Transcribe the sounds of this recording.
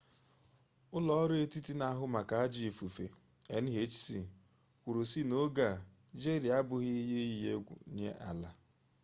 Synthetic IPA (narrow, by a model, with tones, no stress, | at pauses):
ʊ˦lɔ˦ɾe˦ti˦ti˦na˦ɦʊ˦ma˨ka˨a˦d͡ʒi˨fu˨fḛ˨ | e˨n̩˦ɦe˨˦t͡ʃsi˨ | kʷu˨ɾu˨si˦no˦ɡa˨ | d͡ʒe˦ɾi˨a˦bʊ˨ɣɪ˦i˦ɦe˦i˦e˦ɡʷṵ˨˦ɲḛ˦ʔa˨la˨